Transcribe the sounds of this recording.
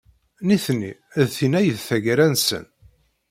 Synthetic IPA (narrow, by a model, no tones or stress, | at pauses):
niθnːiðθinæjəðθæʝɾænsə̰n